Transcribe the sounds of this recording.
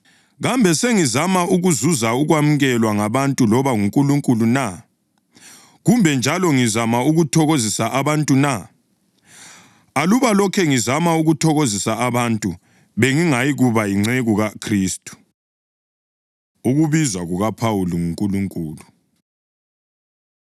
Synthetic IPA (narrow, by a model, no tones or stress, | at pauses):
ɣambʱɛseŋizamauɣuzuzauɣwam̩ɣɛlwaŋaβantʼulɔβaŋuŋkʼuluŋkʼuluna | ɣumbʱɛnd͡ʒʱalɔŋizamauɣutʰɔɣozisaʔaβantʼuna | aluβalɔkʰɛŋizamauɣutʰɔɣozisaaβantʼu | βeŋiŋajiɣuβajiŋ͡ǀeɣuɣakʰriːstʼu̥ | uɣuβizwaɣuɣapʰawuluŋuŋkʼuluŋkʼuːlu